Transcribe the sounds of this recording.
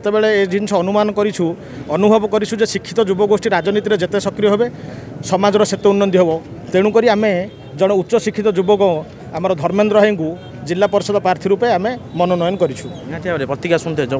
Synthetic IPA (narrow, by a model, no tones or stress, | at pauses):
et̪ebeɭeːd͡ʒinsʰɔːnumanɔkɔɾit͡ʃʰu | ɔnubʱɔbɔkɔɾit͡ʃʰud͡ʒesikʰːi̥t̪ɔd͡ʒubɔɡosʈiɾad͡ʒɔnit̪iɾed͡ʒet̪esɔkɾijɔɦebesɔmad͡ʒɔɾɔset̪eunːɔnd̪iɦebɔt̪eɽ̃ũkɔɾiame | d͡ʒɔɽ̃ɔut̪ːʃɔsikʰːit̪ɔd͡ʒubɔɡɔ̃ɔ | amaɾɔd̪ʱɔɾmend̪ɾɔɦeŋku | d͡ʒilːapɔɾsɔd̪ɔpɾaɾt̪ʰiɾupeamemɔnɔnɔjɔnɔkɔɾit͡ʃʰueɦãt̪ʰiabɾepɾɔt̪ikjasunt̪ʰed͡ʒɔ